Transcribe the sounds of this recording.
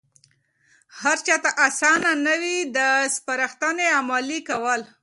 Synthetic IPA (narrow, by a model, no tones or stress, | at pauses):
haɾt͡ʃɑt̪aʔasɑnanəwid̪əspaɾaxt̪aneamɑlikawəl